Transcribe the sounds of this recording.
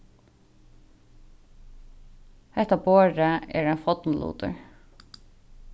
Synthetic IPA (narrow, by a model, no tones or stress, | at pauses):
hɛht̪aboːɹaɛ̰ɾanfɔt̪nlṵːt̪ʊ̰ɹ